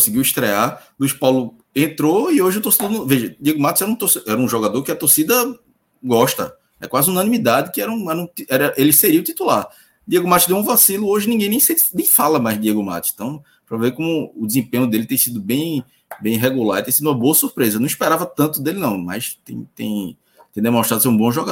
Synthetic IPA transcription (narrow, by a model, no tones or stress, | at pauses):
kõsɪɡiwiʃt̪ɾealuijʃpawlʊ | ẽt̪ɾoioʒɪʊt̪oɾsid̪onuveʒɐd̪ieɡʊmat̪ʊzɛɾɐũt̪osɛɾɐũʒɔɡad̪oɾkɪɐt̪oɾsid̪ɐ | ɡɔʃt̪ɐ̰ | ɛ̰kwazɪunɐ̃nĩmid̪ad̪ɪkɪɛɾɐũɛɾɐũt̪iɛɾɐʔelɪseɾiɐʊut̪it̪ulaɾ | d̪ieɡʊmat̪ʊzd̪ẽw̃ũvasilʊoʒɪnĩɡẽj̃nẽj̃set̪nẽj̃falɐmajzd̪ieɡʊma̰t̪ʊsẽ̥t̪ɐ̃w̃ | pɾɐvekõmʊːd̪izẽpẽɲʊd̪elɪt̪ẽj̃sid̪ʊbẽj̃ | bẽj̃ɦeɡulaɾt̪ẽsid̪ũmɐboɐsuɾpɾezɐnɐ̃w̃ispɛɾavɐt̪ɐ̃nt̪ʊd̪elɪnɐ̃w̃mɐ̰jst̪ḛ̃j̃t̪ḛ̃j̃ | t̪ẽd̪emõʃt̪ɾad̪ʊs̬eɾũbõʒɔɡa